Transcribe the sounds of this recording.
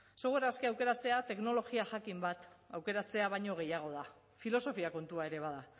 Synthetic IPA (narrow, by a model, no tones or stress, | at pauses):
se̞ɣweɾaske̞awke̞ɾat͡se̞at̪e̞kno̞lo̞ɣiaʝakimbat̪awke̞ɾat͡se̞aβajɲo̞ɣ̞e̞jaɣ̞o̞ð̞a | filo̞so̞fiako̞nt̪uae̞ɾe̞β̞aða